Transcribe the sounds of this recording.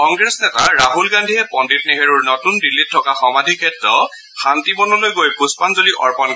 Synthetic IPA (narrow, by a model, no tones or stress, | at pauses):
kɔŋɡɹesnɛtaɹaɦulɡandʱiɦɛpɔndit̚neɦeɹuɹnɔtundilːitʰːɔkaxɔmadʱikʰɛtɹɔ | xantimɔnɔlojɡojpuspanzoliʔɔ̰ɹpɔn